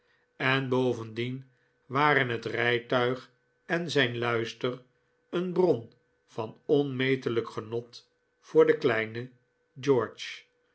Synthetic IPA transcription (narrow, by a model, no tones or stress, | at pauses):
ɛnbowvəndin | ʋaːɾənɦətrɛjtœɥχ | ɛnzɛjnlœɥstər | ənbrɔn | fɑnɔnmejtələkχənɔt | fʊːɹdəklɛjnə | d͡ʒɔɹt͡ʃ